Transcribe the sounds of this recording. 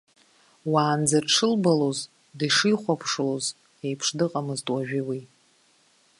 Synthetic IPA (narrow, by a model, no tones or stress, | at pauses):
waːnd͡zaʈ͡ʂʰɨlbaloz | diʂɨjχʷapʰʂloz | ejpʰʂdɨqʼamɨztʼwaʒᶣɪwi